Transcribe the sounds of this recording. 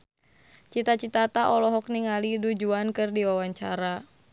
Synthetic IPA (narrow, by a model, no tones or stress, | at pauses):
t͡ʃit̪at͡ʃit̪at̪aʔɔlɔɦɔk̚niŋalidud͡ʒuankɨrdiwawaɲt͡ʃaɾa